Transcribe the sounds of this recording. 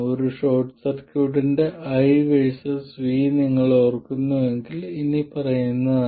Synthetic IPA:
oɾuʂo̞ːʈsɐrkjuːʈinde̞ʔɐjʋeɻsɐssʋiːniŋːɐɭorkːunːue̞ŋɡilinipɐrɐjunːɐðaː

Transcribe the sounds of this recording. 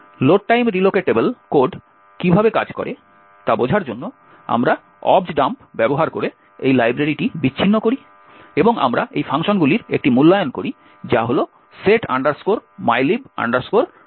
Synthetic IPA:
loʈ̚ʈajmɾilokeʈebelkoɖ | kibʱabeka̰d͡ʑkɔ̰ɾe | t̪abod͡ʑʱaɾd͡ʑonːo | a̰mɾa | ɔbd͡ʑɖampbɛboɦaɾko̰ɾe | ejlajbɾaɾiʈibit͡ɕːɕʰinːokoɾi | eboŋa̰mɾaʔejfʰaŋʃonɡuliɾek̚ʈimulːajonkoɾi | d͡ʑaɦolo | seʈa̰ɳɖaɾskoɾmajliba̰ɳɖaɾskoɾ

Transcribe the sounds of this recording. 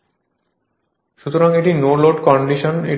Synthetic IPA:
ʃut̪oɾaŋeʈinoloɖkɔɳɖiʃone

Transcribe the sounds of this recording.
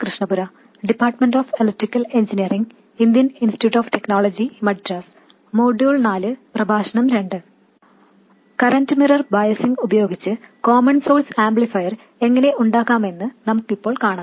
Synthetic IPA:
krɨʂɳɐbuɾɐ | ɖipːaːrʈmenɖoːfelɐʈrikːɐle̞ɲd͡ʑinijɐriŋɡ | ind̪jɐninsitijuːʈːoːfte̞kno̞ːɭɐd͡ʑimɐɖɾɐs | moːɖjuːɭnaːlɨprɐbʱaːɕɐɳɐmɾe̞ɳɖɨ | kɐɾɐndɨmirɐrbaːjɐsiŋɡubɐjo̞ːɡit͡ɕːɨkoːmɐnsoːlsaːmblifɐjɐr | e̞ŋːɐne̞ʔuɳɖaːkːaːme̞nːɨnɐmukːipːo̞ːɭkaːɳaː

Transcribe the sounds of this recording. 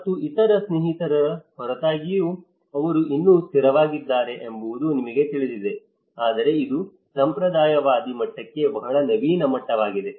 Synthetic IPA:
ɐt̪ːuit̪ɐɾɐsneɦit̪ɐɾɐɾɐhɔɾɐt̪aːɡiju | ɐʋɐɾuʔinːuːst̪iɾɐʋaːɡid̪ːaːɾe̞ʔembɐʋud̪unimɐɡe̞t̪iɭid̪id̪e̞ | aːd̪ɐɾe̞id̪u | sɐmpɾɐd̪aːjɐʋaːd̪imɐʈːɐkːe̞bɐɦɐɭɐnɐbiːnɐmɐʈːɐʋaːɡid̪e̞

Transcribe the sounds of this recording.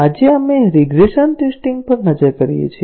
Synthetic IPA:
ad͡ʒeameɾiɡɾeʃənʈesʈiŋɡ̚pəɾnəd͡ʒəɾkəɾijḛt͡ʃʰi

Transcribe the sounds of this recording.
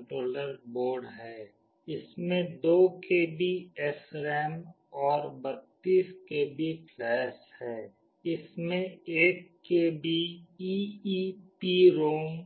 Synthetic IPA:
ʈɾoːləɾboːɾɖɦɛː | ɪsmẽd̪oːkebʱiɛsɾɛːm | ɔːɾbət̪ːiːskebʱiklɛːshɛː | ɪsmẽeːkːebʱiiːipiɾoːŋ

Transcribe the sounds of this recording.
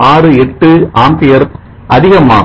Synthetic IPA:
aːrɯɛʈːɯaːmpɪjɐɾ | ʔɐðɪɣɐma̰ː

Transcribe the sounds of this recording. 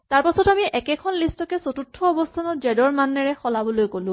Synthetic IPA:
taɹpasɔtamiʔɛkɛkʰɔnlistɔkɛsotutʰːɔːbɔstʰanɔtzɛdɔɹmanːɛɹɛxɔlabɔlojkolʊ̃

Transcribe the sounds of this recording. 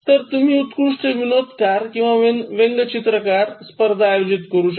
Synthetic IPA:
t̪əɾt̪um̤iːut̪kɾuʂʈəʋinot̪kaɾkĩw̃ʋaʋenʋeŋɡət͡ɕit̪ɾəkaɾspəɾd̪ʱajod͡ʑit̪kəɾuːɕ

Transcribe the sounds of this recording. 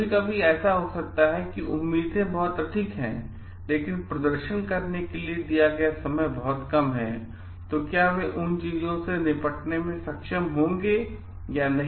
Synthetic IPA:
ekabʱiɛːsaɦosɐk̚t̪aɦɛkiʔʊmːiːd̪ʱẽbɔɦʊt̪ɾɐʈʰikɦɛ̰̃ː | leːkɪnpɾɐd̪əɾʃənkɐɾnekelied̪ijaɡɐjasɐməjbɔɦʊt̪kɐmɦɛ̰̃ː | t̪okjaːʋeʔʊnt͡ʃiːzõsenɪpəʈnemẽsɐkʃəmɦõːŋɡe | janɐɦ

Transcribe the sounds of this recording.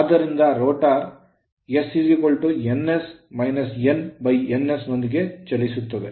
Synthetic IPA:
ɐːd̪ɐɾind̪ɐɾoːʈaːɾ | jesːisikoɭʈuenːesmɐjnɐsenbɐjenːesnond̪iɡe̞t͡ʃɐlːisut̪ːɐd̪e

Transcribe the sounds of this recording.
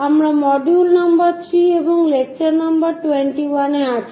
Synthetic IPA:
amɾamɔɖulnambaɾt̪ʰɾieboŋlek̚t͡ɕaɾnambaɾʈuweɳʈiwaneat͡ɕʰi̥

